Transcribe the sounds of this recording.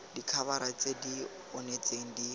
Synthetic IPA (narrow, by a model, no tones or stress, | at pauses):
dikʰaβaɾat͡sʼedi | ɔnet͡sʼeŋ̩di